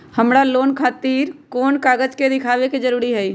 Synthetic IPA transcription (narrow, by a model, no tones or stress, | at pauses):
həmɽaloːnkʰaːt̪iːɾkoːnkaːɡəd͡ʒked̪ɪkʰaːʋeked͡ʒəɾuːɾiɦɛi